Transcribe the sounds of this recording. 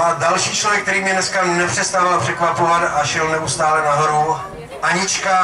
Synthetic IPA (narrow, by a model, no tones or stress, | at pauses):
ʔadalʃiːt͡ʃlovjɛk̚t̪ɛɾiːmɲɛnɛskanɛpr̥ɛst̪avalpr̝̥ɛkvapovat̪aʃɛlnɛust̪aːlɛnaɦoɾu | ʔaɲɪt͡ʃka